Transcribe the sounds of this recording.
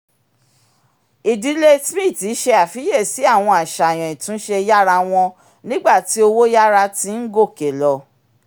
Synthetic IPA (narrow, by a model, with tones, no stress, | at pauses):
i˨di˨˦le˦smĩ˦˨ti˨˦ʃe˧a˨fi˨˦je˦˨si˨˦a˦˨w̃ɔ̃˧a˨ʃa˨j̃ɔ̃˨ĩ˨tũ˨˦ʃe˧ja˦ɾa˧w̃ɔ̃˧ | nĩ˦ɡ͡ba˦˨ti˨˦o˧wo˦ja˦ɾa˧ti˦n̩˦ɡo˦˨ke˨lɔ˧